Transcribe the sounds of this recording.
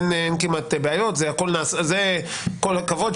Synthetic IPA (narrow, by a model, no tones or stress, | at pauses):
nenkimat̪ebeajo̞tzɛako̞lnaːsaze | kolakavod̪